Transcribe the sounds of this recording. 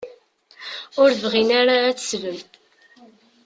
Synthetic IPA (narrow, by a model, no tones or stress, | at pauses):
ʊɾvʁinaɾaːt͡sːə̥svəm